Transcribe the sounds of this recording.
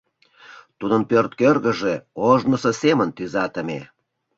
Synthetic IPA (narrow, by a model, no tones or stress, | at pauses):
t̪ud̪ənpørt̪̚kørɣə̆ʒeoʒnə̆səsemənt̪yzɑt̪əmḛ